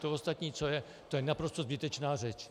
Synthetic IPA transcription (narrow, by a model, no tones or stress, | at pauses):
t̪oost̪at̪ɲiːt͡so̞jɛ | t̪ojɛnapɾo̞st̪ozbɪt̪ɛt͡ʃnaːrɛt͡ʃ